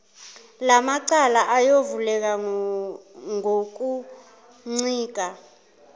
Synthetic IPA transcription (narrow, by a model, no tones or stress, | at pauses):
lamaǀalaʔajovulɛk̬a | ŋok̬ʼu | ŋ͡ǀiːk̬ʼa